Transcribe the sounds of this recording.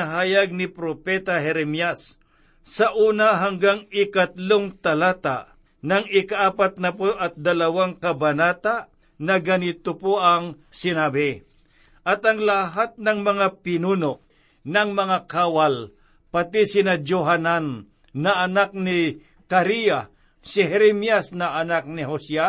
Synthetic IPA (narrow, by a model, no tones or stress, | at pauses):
aɦaːjɐɡ̚nɪpɾopɛt̪aɦɛɾɛmjasː | ɐʔuːnaɦaŋɡaŋɪkat̪loŋt̪alaːt̪a̰ | nɐŋɪkaʔaːpat̪̚nɐpoʔɐt̪̚d̪ɐlɐwaŋkɐbɐnaːt̪a | nɐɡɐnɪt̪opoʔaŋ | sɪnabɛ | ʔɐt̪ɐŋlaɦat̪̚nɐŋmɐŋapɪnuːnoʔ | nɐŋmɐŋakaːwal | pat̪isɪnɐd͡ʒoɦananː | ɐʔːnak̚nɪ | kaɾija | sɪɦɛɾɛmjasnɐʔːnak̚nɪɦosa